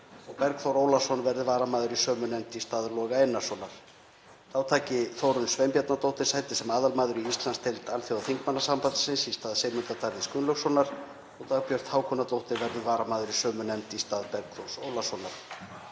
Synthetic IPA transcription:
ɔɣpɛɾkθɔwɾoːwlasɔnvɛɾðʏvaːɾamaːðʏɾisœːmʏnɛmt̪ist̪aːðlɔːɣaejnːḁsɔːnaɾ̥ | θawt̪ʰaːcɪθowɾʏnsvɛjmpjat̪nat̪owht̪ɪ̥sajt̪ɪ̥sɛmaːðalmaːðʏɾiist̪lanst̪ʰɛlt̪alθjowaθiŋkmanːasampat̪ɪ̥sɪnsist̪aːðseːjmʏnt̪at̪ʰaɾðɪskʏnlœɣsɔnaɾ̥ | ɔɣt̪ʰapjœr̥t̪haːwkʰɔnat̪owht̪ɪɾvɛɾðʏvaːɾamaːðʏɾisœːmʏnɛmt̪ist̪aːðpɛɾkθɔɾ̥soːwlasɔnaɾ̥

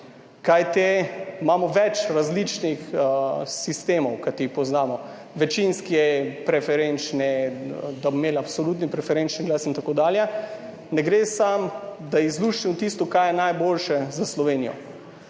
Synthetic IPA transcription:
kajt̪emamɔʋɛt͡ʃɾazlit͡ʃnix | sist̪eːmɔwkat̪ipɔznaːmɔ | ʋɛt͡ʃinskiɛpɾɛfɛɾent͡ʃnɛd̪abomeːlapsɔlut̪̬nipɾɛfɛɾent͡ʃniɡlasint̪akoːd̪aːljɛ | nɛɡɾeːsamd̪aizluːʃimɔt̪ist̪ɔkajɛnajboːlʃɛzaslɔʋeːnijɔ̰

